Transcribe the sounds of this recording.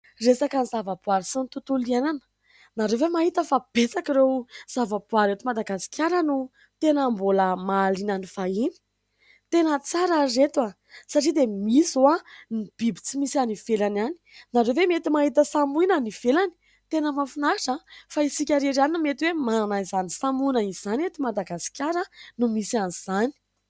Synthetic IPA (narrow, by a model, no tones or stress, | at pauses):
resakanizavabuaɾisint̪ut̪uliananə̥ | naɾewvemaɦit̪əfab̥et͡sakiɾewz̥avabwaɾet̪umad̪aɡasi̥kʲaɾənu | t̪enamboləmalinanifaini̥ | t̪enət͡saɾaret̪wa | saʈ͡ʂid̪emisuanib̥ibi̥t͡simisianifelanani̥naɾevemet̪imaɦit̪əsamuinanifelani̥ | t̪enəmafunaɾiʈ͡ʂəfaisikʲaɾeɾaninmet̪iwemanaizanisamunəiz̥anet̪umad̪aɡasi̥kʲaɾənumisianiz̥ani̥